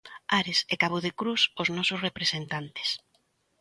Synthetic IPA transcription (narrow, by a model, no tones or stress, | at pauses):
aɾesekaβoðekɾusoznɔsʊsrepɾesent̪ant̪e̥s